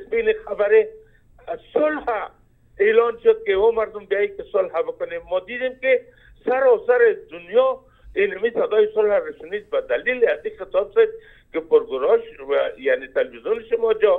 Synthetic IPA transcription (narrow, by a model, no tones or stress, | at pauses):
sbinexabaɾe | sʊlha | elɔnʃʊd̪̚kɪomaɾd̪ʊmbiajikɪsʊlɦabɪkʊnemːɔd̪id̪emkɪ | saɾɔsaɾed̪ʊnjɔ | inamisad̪ɔjɪsʊlhaɾɪʃʊnid̪bad̪alilazixɪt̪ɔbsed̪̚ | kɪpʊɾɡʊɾɔʃajanet̪elbizjunʃɪmɔd͡ʒɔ